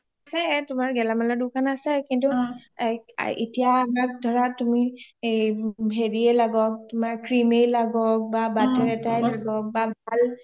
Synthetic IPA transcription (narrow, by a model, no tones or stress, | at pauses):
asɛtʊmaɹɡɛlamalɔdʊkanasɛkintṵ | ḭtijaːmak̚dʱɔɹatumieɦeɹiɛlaɡɔk̚tʊmaɹkɹimejlaɡɔk̚babatɛɹɛtajlaɡɔk̚babʱal